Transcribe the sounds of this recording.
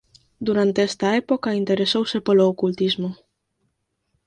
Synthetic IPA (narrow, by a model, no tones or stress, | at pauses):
d̪uɾant̪eɛst̪aɛpokaint̪eɾesowsepoloːkult̪izmo